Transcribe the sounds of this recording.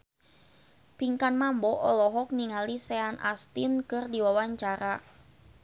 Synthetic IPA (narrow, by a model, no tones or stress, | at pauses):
piŋkanmambɔʔɔlɔɦɔk̚niŋaliseanʔa̰st̪inkɨrdiwawaɲt͡ʃaɾa